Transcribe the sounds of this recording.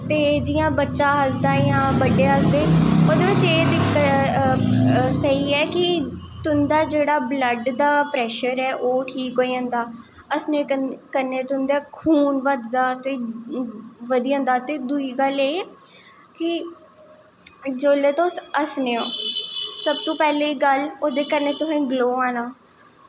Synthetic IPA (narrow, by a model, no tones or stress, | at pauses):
t̪eːd͡ʒɪjãːbətːʃãːɦəsd̪aːjãːbəɖeːɦəsd̪eːoːd̪eːʋɪt͡ʃeːd̪ɪkə | səɦiːɛːkɪ | t̪ʊnd̪aːd͡ʒeːɽaːbləɖd̪aːpɾɛːʃəɾɛːʔoːʈʰiːkɦoːiːə̃nd̪aː | əsneːkəɾneːt̪ʊnd̪eːkʰuːnʋəd̪ːaːt̪eː | ʋəd̪iːə̃ːnd̪aːt̪eːd̪uiːɡəleː | kɪ | d͡ʒoːleːt̪oːsəsneːoːsəb̚t̪õːpɛːleːiɡəloːd̪eːkəɾneːt̪ʊsẽːɡloːãːnaː